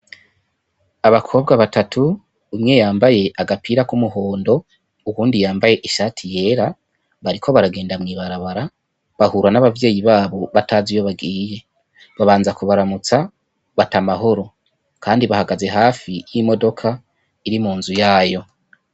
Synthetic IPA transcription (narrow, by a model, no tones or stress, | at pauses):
aβakʰo̞ːbɡaβatatʰuː | mŋe̞jaːmbaje̞ʔaɡapʰiːɾakumuɦo̞ːndo̞ | uβuːndijaːmbaje̞ʔiʃaːtʰije̞ːɾa | βaɾikʰo̞βaɾaɡe̞ːndamŋiːβaɾaβaɾa | βahuɾanaβavje̞ːjiβaːβo̞βataːzijo̞βaɡiːje̞ | βaβaːnzakuβaɾamut͡sa | βatamaɦo̞ɾo̞ | kaːndiβahaɡaze̞ɦaːfijimo̞do̞kʰa | iɾimuːnzujaːjo̞